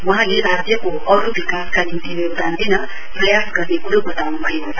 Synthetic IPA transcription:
waɦãleɾad̪jʌko | ʌɾubikaskanint̪injoɡ̚d̪and̪inʌ | prʌjasɡʌrnekuɾobʌt̪awnubʱʌeoa

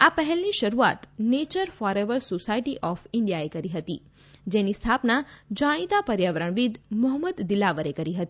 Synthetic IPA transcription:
apəɦɛlniʃəɾua̰t̪net͡ʃəɾfɔɾeʋəɾsosaiʈiʔɔfɪɳɖijaekəɾiɦət̪i | d͡ʒenist̪ʰapnad͡ʒaɽ̃it̪apəɾjaʋəɾəɳ̃ʋid̪mʊɦəməd̪ːilaʋəɾekəɾiɦət̪i

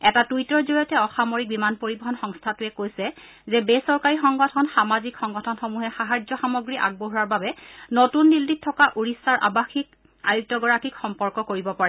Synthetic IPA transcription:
ɛtatujtɔɹzoɹijɔtɛɔxamoɹik̚bimanpoɹibɔɦɔnxɔŋstʰatʊɛkojsɛ | zɛbesɔɹkaɹixɔŋɡɔtʰɔnxamazikxɔŋɡɔtʰɔnxomuɦɛxaɦazɔxamɔɡɹiʔa̰ɡ̚boɦuɹaɹbabɛnotunːilːit̚tʰːɔkaʔuɹisaɹʔa̰baxik̚ | ajuk̚tɔɡɔɹakikxɔmpɔɹkɔkoɹibɔpaɹɛ

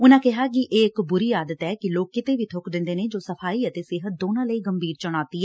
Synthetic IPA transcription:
ʊnãːkɪɦaːkɪʔeːɪkbʊɾiːjaːd̪ət̪ɛːkɪloːkːɪt̪eːʋiːt̪ʰʊkd̪ɪ̃nd̪eːneːd͡ʒoːsəpʰaːiːət̪eːsɪɦət̪̚d̪oːnãːləiːɡəmbiːɾt͡ʃəɽ̃aːt̪iːɛː

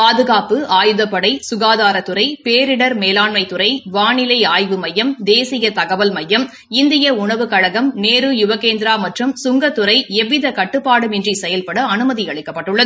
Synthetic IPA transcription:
paːðɯɣaːpɯaːjɯðɐpːɐɽɐɪsʊɣaːðaːɾɐt̪ːɯɾɐɪpeːɾɪɽɐɾmeːlaːɳmɐɪt̪ːɯɾɐɪʋaːɳɪlɐɪaːjʋɯmɐjːɐmd̪eːsɪjɐt̪ɐɣɐʋɐlmɐjːɐm | ɪnd̪ɪjɐʊɳɐʋɯkɐɻɐɣɐmneːɾɯjʊʋɐɣeːnd̪ɪɾaːmɐʈrɯmsʊŋɡɐt̪ːɯɾɐɪɛʋːɪðɐkɐʈːɯpːaːɽɯmɛndrisɛjɐlpɐɽɐɐnɯmɐðiɐɭɪkːɐpːɐʈːɯɭːɐð

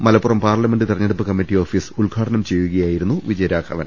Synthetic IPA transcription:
mɐlɐpːurɐmpaːrlɐme̞nɖɨt̪irɐɲːeɽupːɨkɐmːiʈːio̞ːfiːsulɡʱaːʈɐnɐmt͡ɕe̞jːuɣɐjaːjiɾunːuʋid͡ʑɐjɐɾaːkʰɐʋɐ̰n

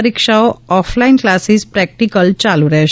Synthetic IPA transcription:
ɾikʃaoɔflainklasispɾɛk̚ʈikəlt͡ɕaluɾəɦʃ

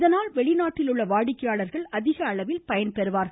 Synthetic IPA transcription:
ðɐnaːlʋɛɭɪnaːʈːɪlʊɭːɐʋaːɽɪkːɐjaːɭɐɾɣɐɭɐðɪɣɐːɭɐʋɪlpɐjɐnpɛɾɯʋaːɾ

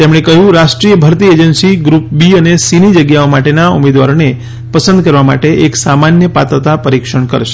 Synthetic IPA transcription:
t̪emɽ̃ekəɦjũɾaʃʈɾijəbʱəɾt̪ied͡ʒənsiɡɾup̚biənesinid͡ʒəɡjaomaʈenaumed̪ʋa̰ɾone | pəsə̃nd̪̚kəɾʋama̰ʈeʔeksamanjəpa̰t̪ɾət̪apəɾikʃəɳkə̰ɾʃe̥

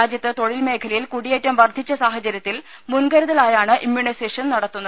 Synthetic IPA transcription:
aːd͡ʑjɐt̪ːɨt̪o̞ɻilme̞ːkʰɐlɐjilkuɽijeːtːɐmʋɐrd̪ʱit͡ɕːɐsaːɦɐt͡ɕɐɾjɐt̪ːil | munɡɐɾuðɐlaːjaːɳɨʔimjuɳiseːʂɐnnɐɽɐt̪ːunːɐð

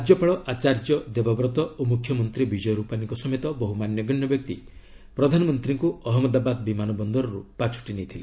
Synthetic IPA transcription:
d͡ʒɔpaɭɔʔat͡ʃaɾd͡ʒɔd̪ebɔbɾɔt̪ɔomukʰjɔmɔnt̪ɾibid͡ʒɔjɔɾupaniŋkɔsɔmet̪ɔbɔɦumanjɔɡɔɳːjɔbjɔk̚t̪i | pɾɔd̪ʱanɔmɔnt̪ɾiŋkuɔɦɔmɔd̪abad̪bimanɔbɔnd̪ɔɾɔɾupat͡ʃʰu̥ʈinejt̪ʰile

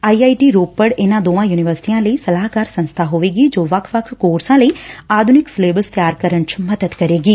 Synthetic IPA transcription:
aːiaːiʈiːɾoːpːəɽenãːd̪oːãːjuːnɪʋəɾsʈijãːləisɐlaːɦkaːɾsɐ̃nst̪ʰaɦoːʋeːɡid͡ʒoːʋɐkʰʋəkʰkoːɾsãləiːaːd̪ʱunɪksleːbəlst̪jaːɾkəɾəɳt͡ʃmɐd̪əd̪kɐɾeːɡiː

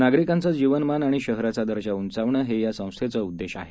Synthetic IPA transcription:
naɡɾikant͡səd͡ʑiʋənmanaɽ̃iɕəɦɾat͡sad̪əɾɕaunt͡saʋɳəːɦejasə̃w̃st̪ʰet͡səud̪ːeɕa̰ɦe

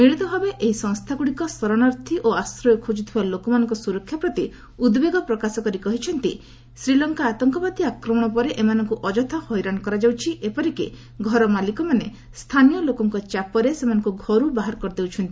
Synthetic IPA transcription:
miɽit̪ɔbʱabeʔeɦisɔ̃ŋst̪ʰakuɽikɔsɔɾɔɽ̃aɾt̪ʰiʔoasɾɔjɔkʰud͡ʒut̪ʰibalokɔmanɔŋkɔsuɾɔkʰːjapɾɔt̪i | ud̪beɡɔpɾɔkasɔkɔɾikɔɦit͡ʃʰɔnt̪ḭ | sɾilɔŋkaːt̪ɔŋkɔbad̪iakɾɔmɔɽ̃ɔpɔɾeʔemanɔŋkuʔɔd͡ʒɔt̪ʰɔhɔjɾankɔɾad͡ʒawt͡ʃʰiʔepɔɾikḛ | ɡʱɔɾɔmalikɔmane | st̪ʰanijɔlokɔŋkɔt͡ʃapɔɾesemanɔ̃ŋkuɡʱɔɾubaɦaɾkɔɾd̪ewt͡ʃʰɔnt̪ii

